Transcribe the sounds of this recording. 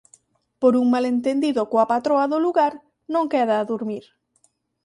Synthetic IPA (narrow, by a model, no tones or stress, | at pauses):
poɾuŋmalent̪end̪iðokoapat̪ɾoaðoluɣaɾ | nõŋkɛðaːðuɾmiɾ